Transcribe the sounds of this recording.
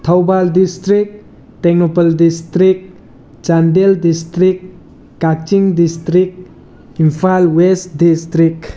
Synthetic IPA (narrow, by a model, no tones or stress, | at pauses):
t̪ʰawbaldistɾik̚ | teɡnopəldistɾik̚ | t͡ʃandeldistɾik | kːat͡ʃiŋdist̪ɾik | impʰalwest̚distɾik